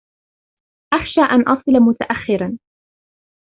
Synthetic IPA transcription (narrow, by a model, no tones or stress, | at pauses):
ʔaxʃaːʔanʔɑsˤɨlmʊt̪aʔaxːɪɾan